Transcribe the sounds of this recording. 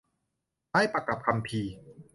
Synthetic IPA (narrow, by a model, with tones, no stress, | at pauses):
ha˥˩jpa˨˧ka˨˩p̚kʰa˧mpʰiː˧